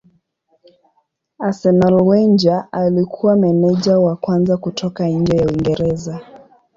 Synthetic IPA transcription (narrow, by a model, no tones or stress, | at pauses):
asɛnalwɛnd͡ʒaʔalikʰuwamɛnɛʄawakwanzakutʰɔkaɲ̩d͡ʒɛjauiŋɡɛɾɛza